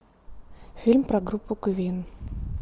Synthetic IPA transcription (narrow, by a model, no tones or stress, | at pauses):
fʲilʲmpɾɐɡɾupːʊkvʲin